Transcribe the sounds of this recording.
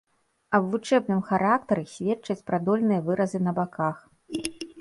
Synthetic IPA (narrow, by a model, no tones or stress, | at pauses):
ɐbvut͡ʂɛbnɨmxaɾak̚t̪ɐɾɨsʲvʲɛtt͡ʂɐt͡sʲpɾad̪ɔlʲnɨjɐvɨɾɐzɨnɐbakax